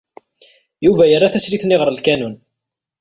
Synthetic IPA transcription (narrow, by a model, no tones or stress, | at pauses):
juvæjərːaθæsɾiθnɪʁəɾˤlkænun